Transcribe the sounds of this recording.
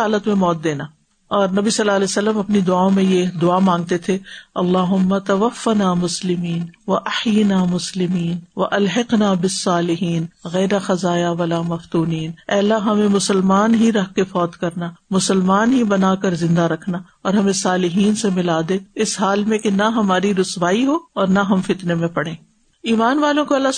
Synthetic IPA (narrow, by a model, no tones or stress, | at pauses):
aːlət̪mẽmɔːt̪̚d̪eːnaː | ɔːɾnɐbisɐlːaːɐlɛːsɐlːəmɐpnid̪ʊaːõmẽjed̪ʊaːmãːŋɡ̚t̪et̪ʰeɐlːaːɦʊmːat̪ɐʋɐfːanaːmʊslɪmiːnʋɐʔɐħjɪnaːmʊslɪmiːnʋɐʔɐlɦɪqnaːbɪsːaːlɪɦiːnɣɛːɾaxɐzaːjaʋɐlaːmɐft̪uːniːnɛːlːaɦɐmẽmʊsəlmaːnɦiɾɐɦkefɔːt̪kɐɾnamʊsəlmaːnɦibɐnaːkɐɾzɪ̃nd̪aɾɐkʰna | ɔːɾɦɐmẽsaːlɪɦiːnsemɪlaːd̪eɪsɦaːlmẽkenaɦɐmaːɾiɾʊsʋaːiɦoɔːɾnaɦɐmfɪt̪nemẽpɐɽ̤ẽː | iːmaːnʋaːlõkoɐlːa